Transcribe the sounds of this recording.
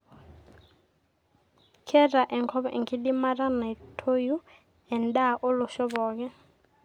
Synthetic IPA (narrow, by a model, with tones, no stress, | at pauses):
kʰɛ˦ra˨ʔɛ˨ŋkʰɔ˦βɔ˦ʔi˨ŋɡi˦di˦ma˦ra˦na˨tʰo˦ju˦ | ɛ˨nda˦ʔo˦lʊ˨ʃɔ˦βɔː˨k̬ɛ˦